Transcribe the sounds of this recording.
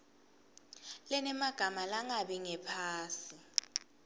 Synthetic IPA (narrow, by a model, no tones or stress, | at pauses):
lɛnɛmaɡ̥ʱamalaŋaɓiŋɛpʰaːsi